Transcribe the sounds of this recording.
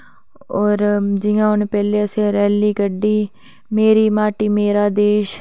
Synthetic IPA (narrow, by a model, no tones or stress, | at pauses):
ɔːɾd͡ʒɪjãːʊnpɛːleːəsẽːɾɛːliːkəɖiː | meːɾiːmaːʈiːmeːɾaːd̪eːʃ